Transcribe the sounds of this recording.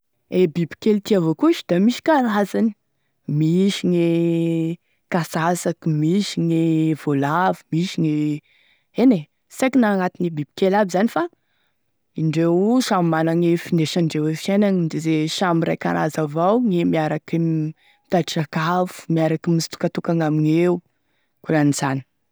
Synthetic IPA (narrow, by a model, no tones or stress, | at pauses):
ebibi̥kelt̪iavokuʃi̥d̪̥amiʃi̥kalazani̥ | miʃiŋe | kasasakimiʃiŋev̥olavumiʃiŋe | ene | sakinaŋat̪inibib̥i̥kelabizanifa | iɳɖ͡ʐewsammanaŋefineʃaɳɖ͡ʐewefiananid̪ezeʃamiɾajka̰ɾa̰zavawŋemiaɾakim | t̪aʈ͡ʂakavu̥miaɾakimisi̥t̪u̥kat̪ukaŋaminew | kulanizani̥